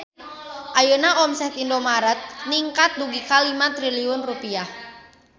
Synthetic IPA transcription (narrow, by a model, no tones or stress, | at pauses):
ʔajənaɔmsɛt̪indomaɾət̪̚niŋkat̪̚duɡikalimat̪ɾiliunrupiah